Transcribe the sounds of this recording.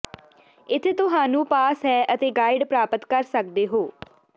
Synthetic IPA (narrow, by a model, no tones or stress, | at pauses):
ɪt̪ʰet̪ʊɦãːnũːpaːsɦɛːʔət̪eːɡaːɪɖpɾaːpət̪kəɾsək̚d̪eːɦoː